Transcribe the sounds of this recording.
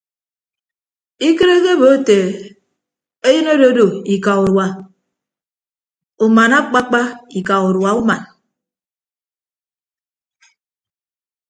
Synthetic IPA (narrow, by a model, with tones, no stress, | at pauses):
i˦ke˦ɾe˦ɣe˦bo˨˦te˨ | e˦ji˦no˦do˦do˨i˨ka˨u˨ɾwa˨ | u˨ma˨na˦k͡pa˦k͡pa˦i˨ka˨u˨ɾwa˨u˦ma˨n